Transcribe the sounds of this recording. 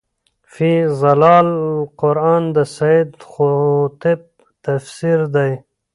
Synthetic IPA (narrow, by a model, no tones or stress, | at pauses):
fizalɑːlqʊɾɑːnd̪əsaid̪xot̪eb̚ | t̪afsiɾd̪aj